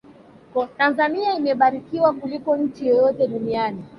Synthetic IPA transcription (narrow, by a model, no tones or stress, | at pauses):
ktanzaniaimɛɓaɾikiwakulikɔnɲ̩t͡ʃijɔjɔtɛɗuniani